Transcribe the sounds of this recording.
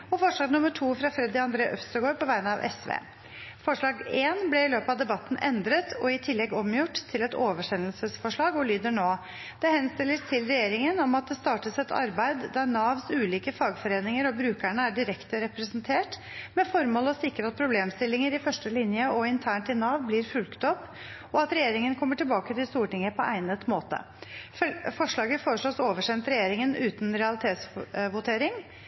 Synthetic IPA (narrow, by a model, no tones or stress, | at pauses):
ɔfɔʂɭɑːɡnʊməʈʰuːfɾɑfɾɛd̪ɪɑnd̪ɾeːɑʔœfst̪əɡoːɾpʰɔʋæɪnəɑʋʔɛ̰sʋḛː | fɔʂɭɑːɡeːnblɛɪløːpəɑʋd̪ɛbɑt̪ːn̩ʔɛnd̪ɾət̪ʰɔɪt̪ʰɪlːɛɡɔmjʊʈːt̪ʰːɪlɛt̪oːʋəʂɛnəlsəsfɔʂɭɑːɡɔlyːd̪əɳoː | d̪̥ɛhɛnst̪ɪlːəst̪ʰɪlɾɛjeːɾɪŋənɔmɑt̪̚d̪ɛst̪ɑːʈəsɛt̪ʰɑ̰ɾbæɪd̪ːæɾnɑːʋsʉːliːkəfɑːɡfɔɾeːnɪŋəɾɔbɾʉːkæɳəæɖɪɾɛkt̪əɾɛpɾɛsənt̪ʰeːʈ | mɛfɔɾmoːlɔsɪkɾəɑt̪̚pʰɾʊbleːmst̪ɪlːɪŋəɾɪfœʂʈəlɪnjəɔɪnt̪ʰæːɳʈɪnɑːʋblɪɾfʉlkt̪ɔpː | ɔɑt̪ɾɛjeːɾɪŋənkʰɔmːəʈɪlbɑːkət̪ɪlst̪uːʈɪŋːəpʰɔʔæɪnət̪moːt̪ə̰ | fɔʂɭɑːɡəfoːɾəʂɭoːsoːʋəʂɛnt̪ɾɛjeːɾɪŋənʉːt̪nɾɛɑlɪt̪ʰeːt̪sʋʊt̪ʰeːɾɪŋ